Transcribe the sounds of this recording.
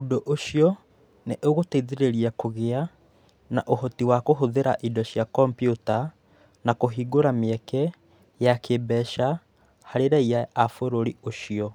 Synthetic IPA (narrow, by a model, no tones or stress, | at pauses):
odoʔoʃiɔ | neʔoɣoteiðeɾeɾiakoɣea | naʔohɔtiwakoɦoðeɾa̰ʔidɔɕjakɔmpiuta | nakoɦiɡoɾameɛkɛ | jakebɛːʃa | haɾeɾaiaːfoɾoɾioʃiɔ